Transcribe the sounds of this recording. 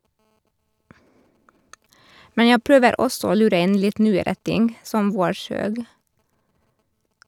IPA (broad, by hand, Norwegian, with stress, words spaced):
ˈmɛn ˈjæ ˈpɾøːʋəɾ ˈɔsɔ ˈoː ˈlʉːɾə ˈɪn ˈlɪt ˈnyːəɾə ˈtɪŋɡ ˈsɔm ˈʋoːˌʃøːɡ